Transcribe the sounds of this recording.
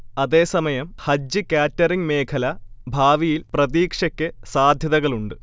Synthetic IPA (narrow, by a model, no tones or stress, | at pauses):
ɐðe̞ːsɐmɐjɐmhɐd͡ʑːɨkʲaːtːɐriŋme̞ːkʰɐlɐbʱaːʋijilprɐðiːkʂɐkʲːɨsaːd̪ʱjɐðɐɣɐɭuɳɖɨ